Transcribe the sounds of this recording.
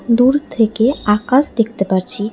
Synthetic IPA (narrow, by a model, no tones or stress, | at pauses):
d̪uɾt̪ʰekeakəsd̪ek̚ʰt̪epəɾt͡ʃʰi